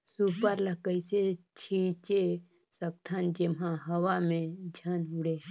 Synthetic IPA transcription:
suːpəɾləkəiset͡ʃʰiːt͡ʃe | sək̚t̪ʰand͡ʒemɦãɦɐʋamẽd͡ʒʱanɦuɽeː

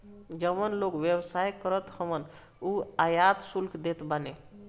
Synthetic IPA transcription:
d͡ʒəmənlokʋjəbsajkəɾət̪həmən | uajat̪sulkʰd̪et̪bane

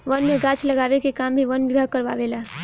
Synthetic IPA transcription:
ʋənmeɡãt͡ʃʰləɡabekekambʱiʋənʋibʱaɡ̚kəɾʋa̰ʋela

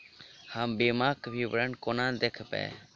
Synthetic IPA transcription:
hambeːmaːkbʱiːbɾəɳkonãːnd̪ekʰpɛ̰ː

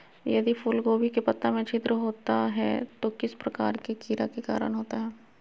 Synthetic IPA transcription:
jɐd̪ipʰʊlɡoːbikepɐt̪ːamẽt͡ʃʰɪt̪ɾəɦoːt̪aɦɛ̰t̪okɪspɾɐka̰ːɾkekiːɾa̰keka̰ːɾə̰nɦoːt̪aɦɛː

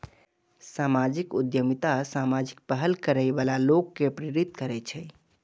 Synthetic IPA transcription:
samad͡ʒikud̪jəmit̪asamad͡ʒik̚pəɦəlkəɾəjbalalokːepɾiɾit̪kəɾɛt͡ʃʰɛ

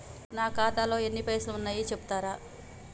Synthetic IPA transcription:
naːkaːt̪aːlo̞ːe̞nːipɐjsluunːaːjit͡ʃebu̥t̪aːɾaː

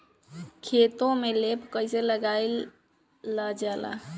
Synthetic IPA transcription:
kʰet̪õmelepkəɪseləɡajlː | əd͡ʒala̰

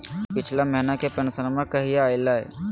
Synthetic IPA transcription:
pɪt͡ʃʰlaməɦɪnakepɾɐnsənamãkɐɦijaɪlaɛ̰

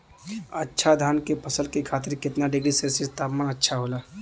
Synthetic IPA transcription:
ətːʃʰad̪ʱaːnkepəsəlkekʰaːt̪ɪɾkɪt̪naɖɪɡɾisesɪst̪aːpmaətːʃʰaɦoːlaː

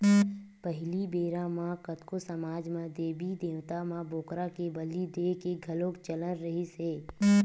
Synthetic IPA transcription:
pəɦɪlibeːɾãmãkət̪kosəmaːd͡ʒmãd̪eːbid̪eːʋt̪amãboːkɾakebəlid̪eːkeɡʱɐlõːkt͡ʃələnɾəɦiseː

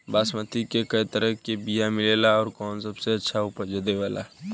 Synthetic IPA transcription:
baːsmət̪ʰikekəit̪əɾəɦkebijamɪlelaɔːɾkɔːnsəbseɐtːʃʰaʊpəɾd͡ʒəd̪eʋaːla̰

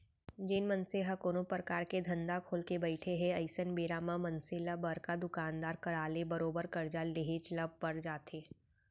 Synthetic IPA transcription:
d͡ʒenmənseɦɐkoːnopɾəkaːɾked̪ʱɐ̃nd̪akʰoːlkebəɪʈʰeɦɛ̃ɐɪsənbeːɾamãmɐnselabəɾkad̪ʊkaːnd̪aːɾkɐɾaːlebɐɾoːbəɾkɐɾd͡ʒaleɦet͡ʃləb̚pɐɾd͡ʒaːt̪eː

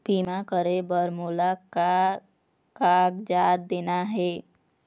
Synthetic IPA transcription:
piːmakəɾebəɾmoːlaka | kaːɡd͡ʒaːtd̪eːnaɦɛː

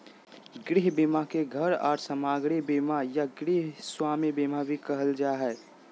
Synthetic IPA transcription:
ɡɾɪɦbimakeɡʱəɾɔ̰ːɾsəmaːɡɽibimajaɡɾiɦswaːmibimabʱikəɦəld͡ʒaɦɛː

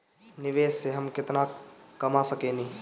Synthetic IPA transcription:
nɪʋeːsːeɦɐmkɪt̪nakɐmasəkẽni

